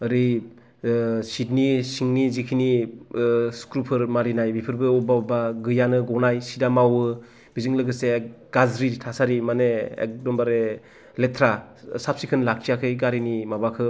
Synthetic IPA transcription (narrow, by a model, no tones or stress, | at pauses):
ɯɾi | sitnisiŋnizikʰini | skɾupʰɯɾmaɾinajbipʰɯɾbɯɔbaɔbaɡɯjanɯɡɔwnajsidamawɯ | bizɯŋlɯɡɯse | ɡ̥azɾitʰasaɾimaneḛk̚dɔmbaɾe | letʰɾa | sap̚sikʰɯnlakʰijakʰɯjɡaɾinimabakʰɯ